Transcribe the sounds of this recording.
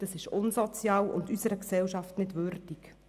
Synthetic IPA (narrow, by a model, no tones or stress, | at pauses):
d̥ɑsɪʃʊnsɔt͡sjɑːwʊ̰ndysəɾəksɛwʃɑftnɪdʋʏɾd̥ik